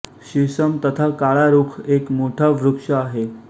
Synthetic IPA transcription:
ɕisəmt̪ət̪ʰakaɭaɾukʰekmoʈʰaʋɾukʂəːɦe

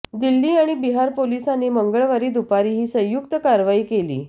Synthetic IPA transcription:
d̪ilːiːaɽ̃ibiɦaɾpolisaniːməŋɡəɭʋaɾiːd̪upaɾiːɦiːsə̃j̃juk̚t̪əkaɾʋaiːkelḭː

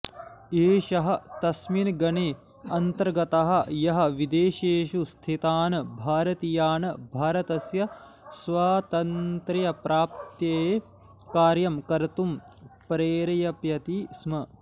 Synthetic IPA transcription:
eːʃɐɦɐ̆t̪ɐsminɡɐneː | ɐnt̪ɐɾɡɐt̪ɐɦɐ̆jɐɦɐ̆ʋid̪eːʃeːʃust̪ʰit̪aːnɐbʱaːɾɐt̪ijaːnɐbʱaːɾɐt̪ɐsjɐ | sʋaːt̪ɐnt̪ɾɐjɐpɾaːp̚t̪jeː | kaːɾjɐmkɐɾt̪um | pɾeːɾɐjɐpjɐt̪ismɐ

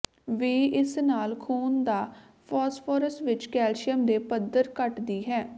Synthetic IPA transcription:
ʋiːɪsnaːlkʰoːnd̪aː | pʰɔːspʰɔːɾəstʋɪt͡ʃkɛːlʃɪəmd̪eːpəd̪əɾkəʈd̪iːɦɛː

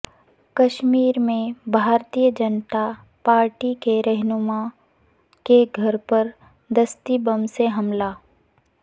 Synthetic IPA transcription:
kɐʃmiːɾmẽbʱaːɾt̪ijəd͡ʒənt̪a | paːɾʈikeɾɛɦnʊma | keɡʱɐɾpɐɾ | d̪ɐst̪ibɐmseɦɐmlaː

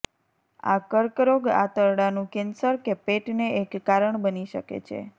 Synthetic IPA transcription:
a̰kəɾkɾoɡa̰t̪əɾɽanũkensəɾkepeʈneʔekːaɾəɳbəniʃəkḛt͡ʃʰḛ

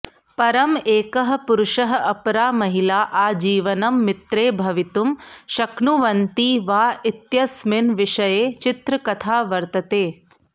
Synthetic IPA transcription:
pɐɾɐmeːkɐɦɐ̆puɾʊʃɐɦɐ̆ʔɐpɾaːmɐɦilaːʔaːd͡ʒiːʋɐnɐmːit̪ɾeːbʱɐʋit̪umʃɐkɳuʋɐnt̪iːʋaːit̪jɐsmɪnʋiʂɐjeːt͡ʃit̪ɾɐkɐt̪ʰaːʋɐɾt̪ɐt̪eː

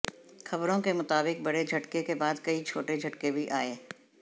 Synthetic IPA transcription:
xɐbɾõkemʊt̪aːbɪk̚bɐɽed͡ʒʱɐʈkekebaːd̪kɐit͡ʃʰoːʈed͡ʒʱɐʈkebʱiʔaːeː

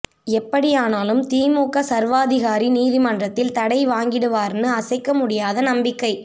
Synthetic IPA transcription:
ɛpːɐɽɪjaːnaːlɯmt̪iːmuːkːɐsɐɾʋaːðɪɣaːɾiniːðɪmɐndrɐt̪ːɪlt̪ɐɽɐɪʋaːŋɡɪɽɯʋaːɾnɯɐsɐɪkːɐmʊɽɪjaːðɐnɐmbɪkːɐɪ

